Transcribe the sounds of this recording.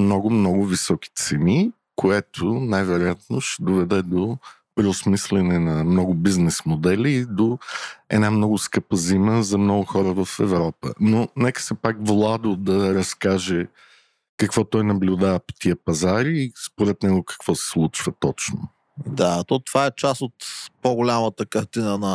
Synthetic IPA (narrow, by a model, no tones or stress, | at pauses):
mnɔɡʊmnɔɡʊvisɔki̥t̪sɛni | kʰoɛt̪ʰʊnajvɛɾojat̪̚noʃɛd̪ovɛd̪ɛd̪o | pɾɛʊsmislɛnɛnɐmnɔɡʊbiznɛsmod̪ɛlʲiːd̪oɛ̰d̪amnɔɡʊskɤpəziməzɐmnɔɡʊxɔɾəvəfɛvɾɔpə̰nonɛkə̥sɛpakvlˠad̪od̪ɐɾɐskaʒɛ | kɐkvɔt̪ɔjnɐblʲʊd̪avəpo̥t̪iəpɐzaɾiːspoɾɛt̪nɛɡʊkɐ̥kvɔsɛ̥slˠut͡ʃv̥ət̪ɔt͡ʃno̰ | d̪at̪ɔt̪vaɛt͡ʃast̪ot̪poɡʊlʲamət̪əkɐɾt̪inənɐ